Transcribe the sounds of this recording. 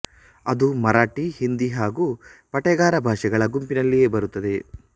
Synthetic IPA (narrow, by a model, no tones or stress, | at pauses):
ɐd̪umɐɾaːʈiɦind̪iɦaːɡupɐʈɛɡaːɾɐbʱaːʂɛɡɐɭɐɡumpinɐlːije̞ːbɐɾut̪ːɐd̪e̞